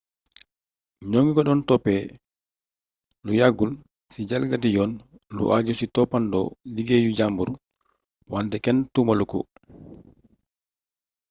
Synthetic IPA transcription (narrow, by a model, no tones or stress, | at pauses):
ɲoŋɡikɔɗɔntɔpːɛ | lujaɡːul | sid͡ʒalɡatijɔn | lṵʔad͡ʒusitɔpːandɔ̰liɡejud͡ʒambuɾu | wantɛkɛntumalukṵ